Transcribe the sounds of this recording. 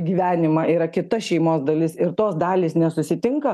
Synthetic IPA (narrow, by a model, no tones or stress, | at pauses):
ɡʲiːʋʲæːnʲɪmɑʔiːɾɐkʲɪt̪ɐʃʲɛɪmoːsd̪ɐlʲɪsɪɾt̪oːsd̪ɑːlʲiːsnʲɛsʊsʲɪt̪ʲɪŋkɐ